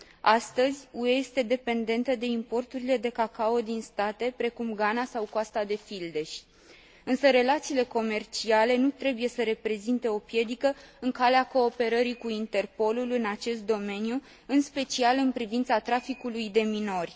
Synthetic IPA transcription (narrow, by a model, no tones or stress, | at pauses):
ast̪əzʲue̞je̞st̪e̞d̪e̞pe̞nd̪e̞nt̪əd̪e̞impo̞rt̪uɾile̞d̪e̞kakao̞d̪inst̪at̪e̞pɾe̞kumɡanasawkoast̪ad̪e̞fild̪e̞ʃʲ | ɨnsəɾe̞lat̪siːle̞ko̞me̞rt͡ʃiale̞nut̪ɾe̞buje̞səɾe̞pɾe̞zint̪e̞o̞pje̞d̪ikəɨŋkaleako̞ːpe̞ɾəɾikuint̪e̞rpo̞lulɨnat͡ʃe̞st̪̚d̪o̞me̞niju | ɨnspe̞t͡ʃialɨnpɾivint̪sat̪ɾafikulujd̪e̞mino̞rʲ